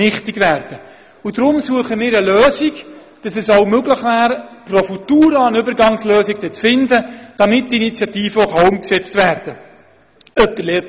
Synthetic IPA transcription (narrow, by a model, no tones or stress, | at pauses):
ɪχtɪɡʋæːɾd̥ə | udɾʊmsuəχəmɪːɾəløːziɡ | d̥ɑsɛsoʊmøɡləχʋæːɾprofutuːɾəənʏbəɾɡɑŋsløːziɡd̥ɛt͡sfɪndəd̥ɑmɪt̚diinit͡sjɑtiːfəɔχaʊmksɛt͡stvæːrd̥ə | œp̚d̥̪əleː